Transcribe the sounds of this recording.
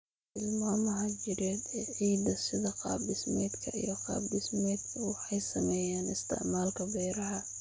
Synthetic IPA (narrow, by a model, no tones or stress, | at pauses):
ɪlmaːmɐɦɐt͡ʃɪɾɛːd̪ɛːʕiːd̪ɐsɪðɐqɑ̰ːbɪsmɛːd̪kʰɐ̰ʔḭjɔqɑ̰ːbɪsmɛːd̪kʰɐwɑħɑjsɐmɛːjaːnɪst̪ʰɪ̰ʕmaːlkʰɐbɛjɾɐɦɐ